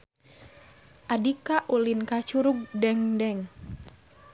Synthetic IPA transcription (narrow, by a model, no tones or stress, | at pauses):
ʔadikaʔulinkat͡ʃuɾuɡ̚dɛŋdɛŋ